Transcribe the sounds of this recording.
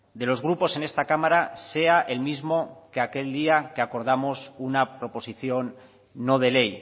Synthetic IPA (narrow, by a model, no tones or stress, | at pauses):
d̪e̞lo̞zɣ̞ɾupo̞se̞ne̞st̪akamaɾase̞aʔe̞lmizmo̞ke̞ake̞ld̪iake̞ako̞ɾð̞amo̞sunapɾo̞po̞siθjo̞nː | o̞ð̞e̞le̞j